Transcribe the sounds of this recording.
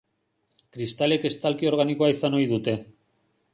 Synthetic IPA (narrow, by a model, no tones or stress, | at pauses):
kɾist̪ale̞ke̞st̪alkio̞ɾɣ̞aniko̞aisano̞jðut̪e̞